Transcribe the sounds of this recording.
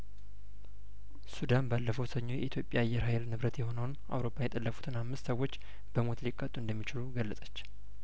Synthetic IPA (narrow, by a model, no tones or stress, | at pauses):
sud̪anbalːəfəwsəɲːo̞jɛ̰it̪jo̞pʼjaːjːɛɾhajlnɨβɾət̪jɛho̞nəwnʔa̰wɾo̞pʰːajɛt̪ʼəlːəfut̪ʰɨnhamːɨst̪səwːo̞t͡ʃː | b̥əmo̞t̪likʼːət̪ʼːuɨnd̪əmːit͡ʃɪluɡəlːəsʼət͡ʃː